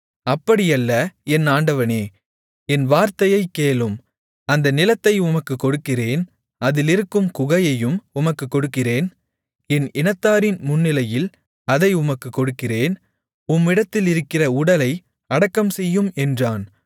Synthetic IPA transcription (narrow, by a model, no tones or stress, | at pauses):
ɐpːɐɽɪjɐlːɐɛnːaːɳɖɐʋɐneː | ɛnʋaːɾt̪ɐjɐɪkːeːlɯm | ɐnd̪ɐnɪlɐt̪ːɐɪʊmɐkːɯkːɔɽɯkːɪreːn | ɐðɪlɪɾɯkːɯmkʊɣɐjɐjɯmʊmɐkːɯkːɔɽɯkːɪreːn | ɛnɪnɐt̪ːaːɾɪnmʊnːɪlɐjɪl | ɐðɐɪʊmɐkːɯkːɔɽɯkːɪreːn | ʊmːɪɽɐt̪ːɪlɪɾɯkːɪrɐʊɽɐlɐɪ | ɐɽɐkːɐmsɛjːɯmɛndraːn